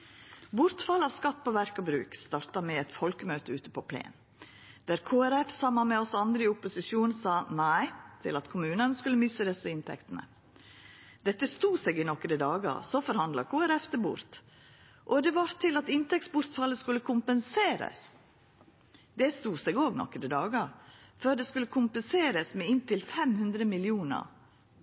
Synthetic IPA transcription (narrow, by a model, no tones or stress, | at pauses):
bʊɾt̪fɑlːəɑʋskɑt̪ːpʰɔʋæɾkɔbɾʉ̰ːkst̪ɑːɾt̪ɑmɛɛt̪fɔlkəmøːt̪əʉːt̪ə̥pʰɔpʰlḛːn | d̪̥æːɾkʰoːæɾɛfsɑmːɑnmɛɔsɑnd̪ɾəɪʊpːʊsɪʃuːnsɑːnæɪt̪ʰɪlɑt̪kʰʊmʉːnənəskʉlːəmʏsəd̪ɛsəɪnt̪ʰɛ̰kt̪ənə̰ | d̪ɛt̪ːəst̪uːsɛɡɪnɔkəd̪əd̪ɑːɡə̰ɾsɔfɔɾhɑnd̪lɑ̰kʰoːæɾɛft̪ʰɪlbʊ̰ɾt̪ | ʔɔd̪ɛʋɑɾt̪ʰɪlɑt̪ɪnt̪ɛk̚tsbʊɾt̪fɑlːəskʉlːəkʰʊmpənseːɾə̰s | d̪ɛst̪uːsɛɡoːɡnɔ̰kːəɾəd̪ɑːɡəɾføːɾd̪ɛskʉlːəkʰʊmpənseːɾəsmɛɪnt̪ɪlfɛmhʉnd̪ɾəmɪlɪuːnə̰ɾ